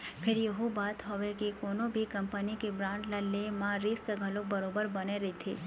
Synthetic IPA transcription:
pʰeɾjəɦũbat̪ɦəʋekekonobʱikəmpənikebɾãɳɖlalemãɾiskəɡʱəlobəɾobəɾbəneɾet̪ʰi

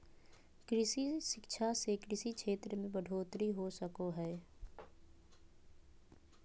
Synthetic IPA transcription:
kɾɪsiʃɪkʃʰasekɾɪsikʰʃʰeːt̪ɾəmẽbəɖʱoːt̪ɾiɦosəkoɦɛː

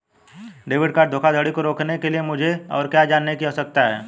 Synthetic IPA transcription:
ɖeːʋɪɖkaːɾd̪ʱoːkʰad̪ʱəɽikoɾoːkʰnekeliemʊd͡ʒʱeɔ̰ːɾkjaːd͡ʒaːnːekiɦoːsɐk̚t̪aɦɛː

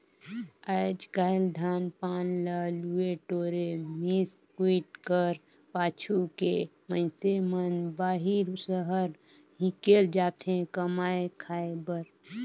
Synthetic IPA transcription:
əɪd͡ʒɡaːɪld̪ʱaːnpaːnlalueʈoːɾemiskwiːʈkəɾ | paːt͡ʃʰukḛ | mə̃ɪsemənbaːɦiɾusəɦəɾ | ɦĩkeːld͡ʒaːt̪ẽkəmaːekʰaːebəɾ

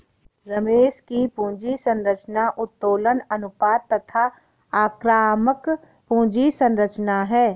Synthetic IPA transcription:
ɾɐmeːʃkipũːd͡ʒisə̃nɾət͡ʃnaʔʊt̪ːoːlənɐnʊpaːd̪̚t̪ːɐt̪ʰa | aːkɾaːmək | pũːd͡ʒisə̃nɾət͡ʃnaɦɛː

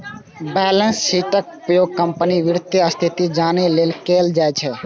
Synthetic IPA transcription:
bɛːlənsːiːʈəkʊpəjoːɡ̚kəmpəniʋɪɾt̪jəəst̪ʰit̪id͡ʒaːneleːlkeːld͡ʒaːet͡ʃʰeː

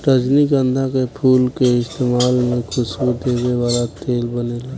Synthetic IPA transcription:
ʈəd͡ʒnikə̃nd̪ʱakepʰuːlkeɪst̪eːmaːlmẽkʰʊsbud̪eːweʋaːlat̪eːlbənelaɡ

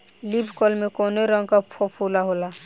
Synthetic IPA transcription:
libʱkolmekonoɾʌŋɡkapʰopʰulaɦola

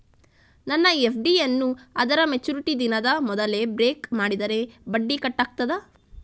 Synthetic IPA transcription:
nɐnːɐepʰɖiɐnːuɐd̪ɐɾɐmet͡ʃuːɾiʈid̪inɐd̪ɐmɔd̪ɐle̞bɾeːkmaːɽid̪ɐɾe̞bɐɖːikɐʈːaːk̚t̪ɐd̪ɐ

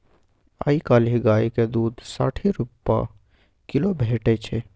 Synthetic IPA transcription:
a̰ikaːliɡaːiked̪uːd̪ʱsa̰ːʈʰiɾupːa̰ | kɪlobʱeːʈɛt͡ʃʰɛ

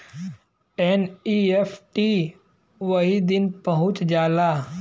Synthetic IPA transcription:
enieːpʰʈi | ʋəɦid̪ɪnpəɦʊ̃t͡ʃd͡ʒaːlaː

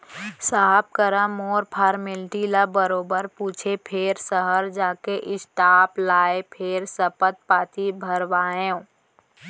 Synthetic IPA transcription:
saːp̚kəɾəmɔːɾpʰaːɾmɪlʈilabəɾoːbəɾpuːt͡ʃʰepʰeɾsəɦəɾd͡ʒaːkeʔɪsʈaːplaːepʰeɾsəpət̪̚paːt̪ibʱəɾʋaːẽ

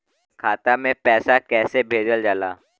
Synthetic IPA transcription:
kʰaːt̪amẽpɛːsakɛːsebʱeːd͡ʒəld͡ʒala̰ː

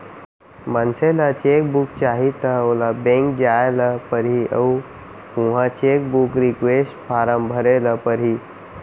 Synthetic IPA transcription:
mənselat͡ʃek̚buk̚t͡ʃaːɦit̪əolabẽŋk̚d͡ʒaeləpəɾiə̰u | ũɦãt͡ʃek̚bukɾikʋesʈpʰaːɾəmbʱəɾeləpəɾɦi

